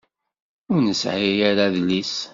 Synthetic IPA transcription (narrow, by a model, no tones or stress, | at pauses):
ʊɾnəsʕijæɾaðlis